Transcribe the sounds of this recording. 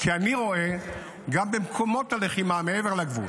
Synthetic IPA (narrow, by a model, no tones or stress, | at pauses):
kʰianiʁo̞e̞ | ɡambemkʰo̞mo̞taleχimameeve̞ʁlaɡvṵl